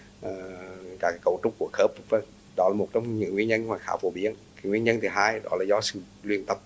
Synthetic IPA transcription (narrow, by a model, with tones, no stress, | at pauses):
ʔəː˨˩kaː˨˦˩kaː˨˦kə̰˧˩wt͡ɕʊ˧˥ŋ͡m̚kːu˧˩əxəː˦˥p̚vaː˨˩ | ɗɔ˨˦laː˨˩mo˨˩t̚t͡ɕɔ˧wŋ͡mɲɨ̰˧˨ŋi˧ənɲə˧n˧waː˧˩jxaː˧˦wfo˧˩ɓi˨˧˦ənkaː˨˦ŋwi˧ənɲə˧nt̪ʰi˨˩ɦaː˧jɗɔ˨˦laː˨˩zɔ˧sɨ̰˧˨ | lwi˨˩ənt̪ə˨˩p̚